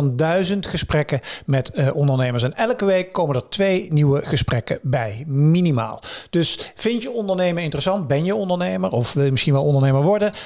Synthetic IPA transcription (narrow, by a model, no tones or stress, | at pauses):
ndœɥzəntχəsprɛkəmɛtʔɔndəɹnejməɹs̬ɛnʔɛlˠkəʋejkːowməndəɹtʋejniwəχəsprɛkə̰bɛjminima̰ːlˠd̥ɵsfɪntjəɔndəɹnejmənɪntərəsɑnt̚bɛnjəɔndəɹnejməɹɔfʋɪlˠjəmɪsχinʋɛlˠɔndəɹnejməɹʋɔɹdə